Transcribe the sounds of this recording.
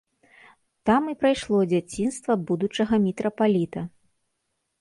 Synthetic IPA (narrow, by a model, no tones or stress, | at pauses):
t̪amipɾajʂlˠɔd͡zʲat͡sʲinst̪vɐbud̪ut͡ʂɐɣɐmʲɛt̪ɾɐpalʲit̪ɐ